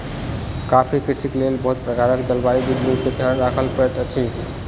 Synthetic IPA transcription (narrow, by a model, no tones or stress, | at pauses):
kapʰikɾisiklelbəɦut̪̚pɾəkaɾəkd͡ʒ̪əlbaɾid̪id̪liked̪ʱəɾnɾakʰəlpɾəʈ̪ət͡ʃʰi